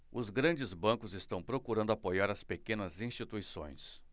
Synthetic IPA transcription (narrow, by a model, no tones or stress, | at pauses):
ʊzɡɾɐ̃nd͡ʒɪzbɐ̃ŋkʊzɪst̪ɐ̃w̃pɾokuɾɐ̃nd̪ʊapojaɾɐspekẽnɐzĩst͡ʃit̪uisõ̰j̃s